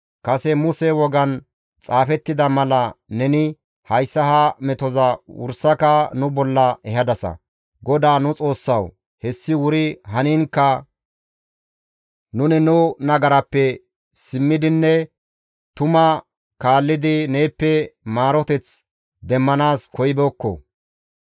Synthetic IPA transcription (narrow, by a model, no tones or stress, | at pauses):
kɐsɛmʊsɛwɔɡɐn | t͡sʼaːfɛt̪ːɪd̪ɐmɐlɐnɛnɪ | hɐjsːɐhamɛt̪ɔzɐwʊ̰ɾsːɐkɐnʊbɔlːɐɛɦɐd̪ɐsɐ̰ | ɡɔd̪aːnʊt͡sʼo̞ːsːɐw | hɛsːɪwʊɾɪɦɐniːŋkːɐ | nʊnɪnʊnɐɡɐɾɐpːɛ | sɪmːɪd̪ɪnːɛ | t̪ʊmɐ | kaːlːɪd̪ɪneːpːɛmaːɾɔt̪ɛt͡s | d̪ɛmːɐnaːskɔjbɛːkːɔ̰